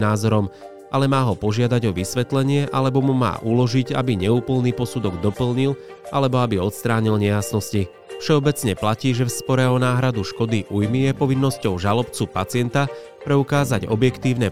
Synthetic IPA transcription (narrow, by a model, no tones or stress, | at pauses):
naːzɔɾɔm | ʔalɛmaːɦɔpɔʒɪad̪aɟɔʋisʋɛt̪lɛɲɪɛʔalɛbɔmuma̰ːʔulɔʒiɟa̰biɲɛuːpl̩niːpɔsud̪ɔɡd̪ɔpl̩ɲil | ʔalɛbɔabiɔt̪st̪ɾaːɲilɲɛjasnɔsci | fʃɛɔbɛt͡sɲɛplaciːʒɛfspɔɾɛɔnaːɦɾad̪uʃkɔd̪iʔujmijɛpɔʋinːɔscɔʊʒalɔpt͡supat͡sɪɛnt̪a | pɾɛukaːzaɟɔ̰bjɛkt̪iːʊnɛ